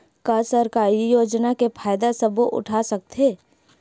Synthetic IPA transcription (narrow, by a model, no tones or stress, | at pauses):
kasəɾkaːɾijoːd͡ʒnakepʰaːjd̪asəboʔʊ̰ʈʰasɐk̚t̪ɦeː